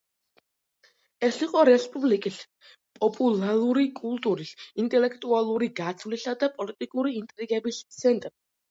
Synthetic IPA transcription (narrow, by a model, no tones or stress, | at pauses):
ɛsiqʼɔɾɛspʼublikʼis | pʼɔpʼulˠaluɾikʼulˠt̪ʼuɾisint̪ʼɛlɛkʰt̪ʼualˠuɾiɡat̪sʰvlisad̪apʼɔlit̪ʼikʼuɾiːnt̪ʼɾiɡɛbissʰɛnt̪ʼɾ